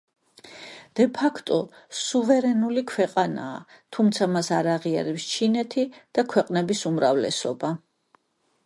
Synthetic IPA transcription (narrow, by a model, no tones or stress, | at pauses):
d̪̥ɛpʰakʰt̪ʼɔsuvɛɾɛnulikʰwɛqʼana̰ː | t̪ʰumt̪sʰamasaɾaʁia̰ɾɛpst͡ʃʰinɛt̪ʰid̪̥akʰwɛqʼnɛbisumɾavlɛ̰sɔba